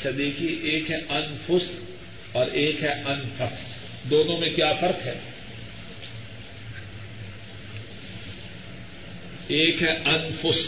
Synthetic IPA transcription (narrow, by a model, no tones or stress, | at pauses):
tːʃʰad̪eːkʰieʔeːkɦɛʔɐnfʊs | ɔːɾeːkɦɛʔɐnfɐs | d̪oːnõmẽkjaːfɐɾt̪ɦɛː | eːkɦɛʔɐnfʊs